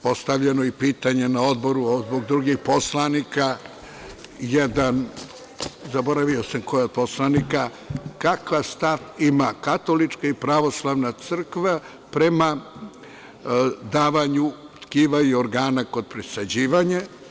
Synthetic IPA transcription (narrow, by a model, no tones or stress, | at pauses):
po̞st̪aʋʎenoipiːt̪aɲe̞nao̞d̪bo̞ɾuozboɡ̚d̪ɾuɡixpo̞slanika | jed̪an | zabo̞ɾaʋio̞samko̞jeod̪̚poslˠanika | kakʋast̪at̪imakat̪o̞lit͡ʃkaipɾaʋo̞slˠaʋnat̪sɨr̩kʋa | pɾe̞ma | d̪aːʋaɲut̪kiːʋaioɾɡaːnako̞d̪̚pɾesad͡ʑiːʋaɲa